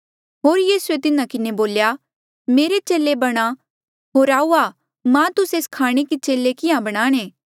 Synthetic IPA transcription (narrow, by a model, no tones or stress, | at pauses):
ɦoːɾjiːsuet̪ɪnãkɪneboːlja | meːɾet͡ʃeːlebɐɽ̃a | ɦoːɾaːuaː | mãt̪ʊseːskʰaːɽ̃ikit͡ʃeːlekɪjãbɐɽ̃aːɽ̃ẽː